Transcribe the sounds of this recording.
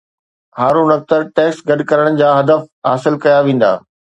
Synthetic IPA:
ɦaːɾunɐk̚t̪əɾʈɛːksɡɐɗkɐɾəɽ̃d͡ʑaːɦɐd̪əfɦa̰ːsɪlkɐjaʋẽːn̆d̪a̰ː

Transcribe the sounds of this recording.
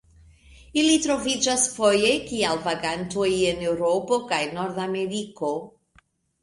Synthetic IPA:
ilˠitʰɾɔvɪd͡ʒasfɔjejkʰialˠvaɡantʰujənɛwɾopokʰajnɔɾðamɛɾikʰo

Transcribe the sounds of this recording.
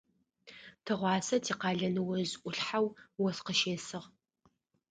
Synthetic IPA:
tʰɨʁʷɑːsɐtʰiːqɑːɮɐnɨwɐzʔʷʊɬħawwɔsqəʃeːsɨʁ

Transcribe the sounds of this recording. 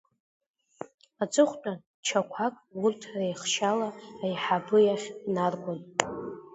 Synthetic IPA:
at͡sʼɨχʷtʼa | t͡ʃʰakʷʰakʼurtʰrejχʃalaːjħabɨjaχʲnarɡʷʼan

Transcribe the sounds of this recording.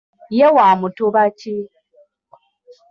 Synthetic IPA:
jewamutuβat͡ʃi

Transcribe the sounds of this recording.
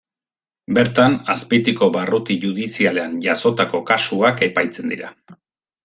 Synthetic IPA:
be̞ɾt̪anaspit̪iko̞βarut̪iʝuð̞isiale̞anʝaso̞t̪ako̞kasuake̞pajt͡se̞nd̪ḭɾa̰

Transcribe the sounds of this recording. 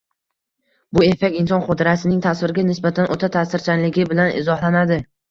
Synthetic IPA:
bʊefekʲɪnsɒnqot̪ʰɪɾasɪnɪŋt̪ʰasvɪɾɪɡʲanɪsbat̪ʰanʔot̪ʰat̪ʰasɪɾt͡ʃʰanlɪɡʲɪbɪlanʔɪ̰zɒhlˠanad̪ɪ

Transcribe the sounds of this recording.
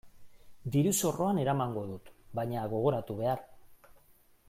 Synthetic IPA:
d̪iɾuso̞ro̞ane̞ɾamaŋɡo̞ðut̪bajɲaɣ̞o̞ɣ̞o̞ɾat̪uβe̞aɾ

